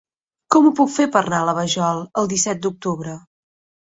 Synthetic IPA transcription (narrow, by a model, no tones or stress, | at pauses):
kɔmupukfepəɾnaələβəʒɔlˠəlˠd̪isɛt̪̚d̪uk̚t̪uβɾə